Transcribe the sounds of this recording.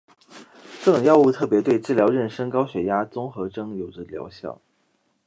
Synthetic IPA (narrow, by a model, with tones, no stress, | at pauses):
ʈ͡ʂɤ˥˩ʈ͡ʂʊ˨˩ŋjɑ˥˧ʊu˥˧t̪ʰɤ˥˩pjɛ˧˥t̪we˥˧ɪʈ͡ʂɻ̩˥˩ljɑ˧˥ʊɻə˥˩nʂə˥ŋkɑ˥ʊɕɥɛ˧˥ja˥t͡sʊ˥ŋxɤ˧˥ʈ͡ʂɤ˥ŋjo˨˩ʊʈ͡ʂə˧˩ljɑ̰˧˥ʊɕjɑ̰˥˩ʊ